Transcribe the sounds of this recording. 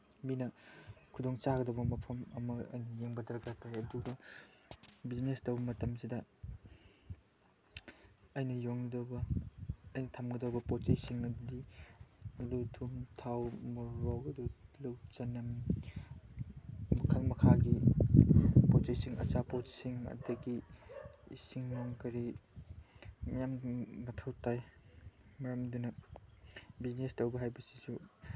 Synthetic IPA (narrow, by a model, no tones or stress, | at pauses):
minɐkʰudoŋt͡ʃaɡɐdɐwbɐmɐpʰɐmɐmɐɐ̰jnɐjeŋbɐdɾɐkatajɐduɡɐ | biznestɐwbɐmɐtɐmsidɐ | ɐjnɐjoŋdɐbɐː | jnɐtʰamɡɐdɐwbɐpot͡ʃajsiŋɐdi | ɐdutʰumtʰawmɐɾowɐdulɐwt͡ʃɐnɐm | mɐkʰaŋmɐkʰaɡi | pot͡ʃajsiŋɐ̰t͡ʃapotsiŋɐ̰dɐɡi | ḭsiŋnoŋkɐɾi | mɐjammɐtʰowtaj | mɐɾɐmdunɐ | biznestɐwbɐɦajbɐsi̥su